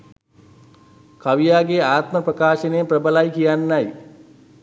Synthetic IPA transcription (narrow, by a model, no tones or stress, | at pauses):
kaʋijaːɡeaːt̪məprəkaːʃənejprəbəlajkijanːaj